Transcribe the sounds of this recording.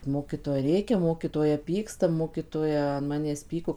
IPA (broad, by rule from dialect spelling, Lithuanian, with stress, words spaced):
ˈmoːkʲiːtoːjɛ ˈrʲeːkʲɛ ˈmoːkʲiːtoːjɛ ˈpʲiːkstɐ ˈmoːkʲiːtoːjɛ ɐn ˈmɑːnʲæːs ˈpʲiːkoː